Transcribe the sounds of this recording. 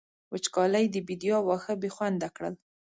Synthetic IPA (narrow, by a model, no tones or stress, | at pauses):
wət͡ʃkɑlajd̪əbid̪ijɑwaxəbexwand̪akɽə̰l